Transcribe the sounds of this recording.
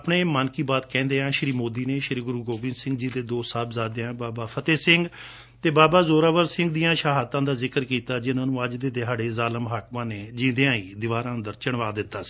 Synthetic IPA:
pɳeːmənkiːbaːt̪kɛ̃ːnd̪eːãːʃəɾiːmoːd̪iːneːʃəɾiːɡʊɾuːɡoːbɪ̃nsɪ̃ŋɡ̚d͡ʒiːd̪eːd̪oːsaːbzaːd̪eãːbaːbaːpʰət̪eːsɪŋɡ | t̪eːbaːbaːzoːɾaːʋəɾsɪ̃ŋɡd̪ijãːʃaːɦaːt̪ːãːd̪aːzɪkəɾkiːt̪aːd͡ʒɪnãːnũːəd͡ʒd̪eːd̪ɪɦaːɽeːzaːləmɦaːkmãːneːd͡ʒĩːd̪ejãːiːd̪ɪʋaːɾãːd̪əɾt͡ʃəɳʋaːd̪ɪt̪ːaːsi̥ː

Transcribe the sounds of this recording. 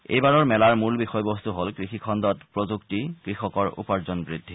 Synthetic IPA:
ḛjbaɹɔɹmɛlaɹmulbixɔjbɔstuɦolkɹixikʰɔndɔtpɹozuktikɹixɔkɔɹṵpaɹzɔnbɹidʱːi

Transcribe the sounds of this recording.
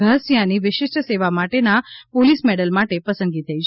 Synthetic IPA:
əsjãniʋɪʃɪʃʈseʋamaʈenapolismɛɽəlmaʈepəsə̃nɡit̪ʰəit͡ʃʰ

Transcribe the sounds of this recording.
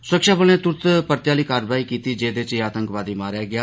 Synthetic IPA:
sʊɾəkʃaːbəlnẽːt̪ʊɾt̪pəɾt̪jaːliːkaːɾʋaːiːkiːt̪iːd͡ʒeːd̪eːt͡ʃeːaːt̪ə̃ŋkʋaːd̪iːmaːɾjaːɡɪaː

